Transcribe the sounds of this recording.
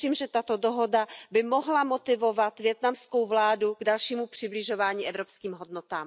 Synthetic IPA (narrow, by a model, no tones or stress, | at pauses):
iːmʒɛt̪at̪o̞doɦo̞dabɪmo̞ɦlamot̪ɪvo̞vat̪vjɛt̪namsko̞wvlaːduɡdalʃiːmupr̝̥ɪblɪʒo̞vaːɲiːʔɛvɾopskiːmɦodnot̪aːm